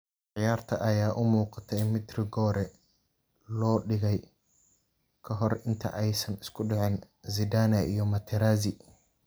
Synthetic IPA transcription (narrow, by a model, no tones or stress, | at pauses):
ʕɪjaːrt̪ʰɐʔɐjaːʔʊmuːqɑt̪ʰɛjmɪd̪rɪɡɔːɾɛ | lɔːɖɪɣɛj | kʰɐɦɔrɪnt̪ʰɐ̰ʔɛjsɐnɪskʰʊɖɛʕɪn | zɪd̪aːnɐʔijɞmɐt̪ʰɛɾaːzɪ